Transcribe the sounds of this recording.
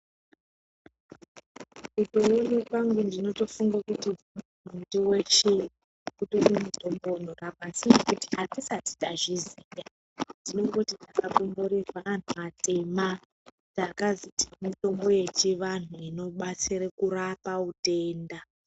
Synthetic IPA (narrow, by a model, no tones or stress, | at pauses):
kutowonekwaŋɡundino̞to̞fuŋɡakuti | mundiwet͡ʃe | kutorimuto̞mbon̤orabʱasinekutiatisati̥taʐizija | ndino̞ŋɡutid͡zakakomboɾirwaːn̤umate̞ma | d͡zakazitimito̞mbo̞je̞t͡ʃiʋan̤uino̞ɓat͡siɾekurapaute̞ːnda